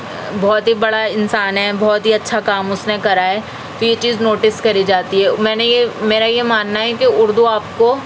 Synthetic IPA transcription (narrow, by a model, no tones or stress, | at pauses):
bɔːt̪ɦibɐɽaɪnsaːnɦɛbɔːt̪ɦiɐtːʃʰakaːmʊsnekɐɾaɦɛː | t̪ojet͡ʃiːznoːʈɪskɐɾid͡ʒaːt̪iɦɛːmɛ̃ːnejemeːɾajemaːnːaɦɛkiʊɾd̪uaːp̚ko